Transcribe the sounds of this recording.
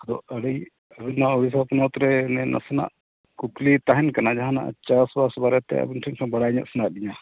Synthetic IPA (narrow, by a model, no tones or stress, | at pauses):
ɐd̪ɔ̰əɽij | əbinːauɽis̬apunɔt̪ɾɛnɛnʔa̰sɛna̰ʔ | kuk̪lit̪aɦɛnkanad͡ʒaɦana̰ʔa̰t͡ʃasbasbaɾɛt̪ɛ̰ə̰binʈʰinkʰãbɐɽaɲa̰ʔsɛnaʔ̚ɗiɲa